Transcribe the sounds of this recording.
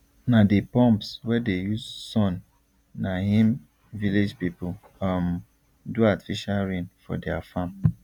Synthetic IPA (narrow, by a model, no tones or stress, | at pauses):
nadepɔ̃mpswɛdejuzsɔ̃nː | aɦĩm | viled͡ʒpipʊ | am | duati̥fiʃalɹĩnfɔ̰dɛafãm